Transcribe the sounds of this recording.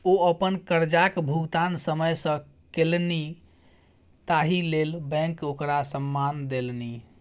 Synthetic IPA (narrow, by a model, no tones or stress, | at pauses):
oəpənkəɾd͡ʒakbʱuɡt̪ansəməjsə̃ | kelni | t̪aɦilelbɛ̃ŋkokɾasəmːand̪elni